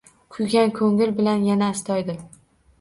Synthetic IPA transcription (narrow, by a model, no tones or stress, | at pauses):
kʰʊjɡʲankʰɵŋɪlbɪlanjanaːst̪ʰɒjd̪ɪ